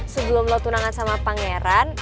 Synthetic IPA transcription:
səbəlʊmlɔt̪unaŋansamapaŋeɾan

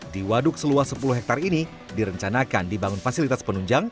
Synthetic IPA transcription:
diwadʊk̚səluahsəpuluɦɛk̚t̪arini | diɾəɲt͡ʃanakandibaŋʊnfasilit̪aspənuɲd͡ʒaŋ

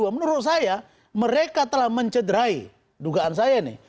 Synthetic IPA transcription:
amənuɾʊt̪̚saja | məɾekat̪əlahməɲt͡ʃədəɾai | duɡaansajanḭ

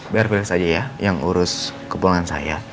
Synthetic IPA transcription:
biarfilɪsad͡ʒajajaŋuɾʊskəpulaŋansa̰ja

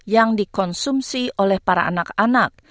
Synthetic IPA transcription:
jaŋdikɔnsumsiʔolɛhpaɾa̰ʔa̰nakanak̚

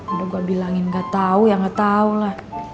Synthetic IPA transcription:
kadoɡuabilaŋɪnɡat̪aujaŋɡat̪aulah

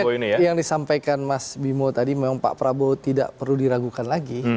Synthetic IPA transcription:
inijaŋdisampajkanmasbimot̪adimemaŋpa̰ʔpɾabot̪ida̰ʔpərludiɾaɡukanlaɡi

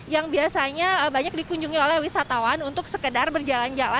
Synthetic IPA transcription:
jaŋbiasaɲaəbaɲak̚dikuɲd͡ʒuŋiolɛhwisat̪awanunt̪ʊk̚səkədarbərd͡ʒaland͡ʒala

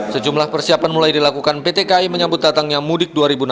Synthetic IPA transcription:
səd͡ʒumlahpərsiapanmulajdilakukanpet̪ekaiməɲabʊt̪̚dat̪aŋjamudɪk̚duaɾibuna

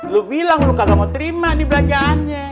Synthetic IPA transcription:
lubilaŋlukaɡamot̪ɾimadibəlad͡ʒaʔːnɲa

